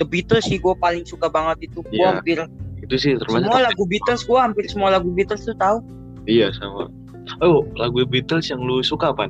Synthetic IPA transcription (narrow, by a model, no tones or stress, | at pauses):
dəbit̪əlsɪhɡuapalɪŋsukabaŋət̪it̪uɡuaampɪrit̪usɪht̪ərmsaəmualaɡubit̪əlsɡuaɦampɪrsəmualaɡubit̪əlst̪ut̪au | ijasa̰ma̰ | laɡudəbit̪əlsjaŋlusukapan